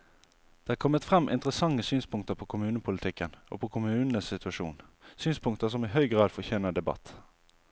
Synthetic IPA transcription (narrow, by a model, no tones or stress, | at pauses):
d̪̥ɛːækʰɔmːət̪fʁɛmʔɪ̰nt̪ʁəsɑŋːəsyːnspʰʊŋkt̪əpʰoːkʰʊmʉːnəpʰʊlɪt̪ʰɪkːəno̰ːpʰokʰʊmʉːnn̩əssɪt̪ʉɑʃṵːnsyːnspʰʊŋkt̪əs̬ɔmɪɦœʏɡʁɑːd̪fɔçɛːnəd̪ɛbɑ̰t̪